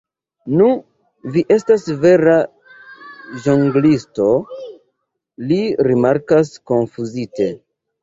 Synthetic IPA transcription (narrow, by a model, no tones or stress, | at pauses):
nu | viʔe̞stasve̞ɾa | ʒoŋɡlisto̞ | liɾimaɾkaskonfuzite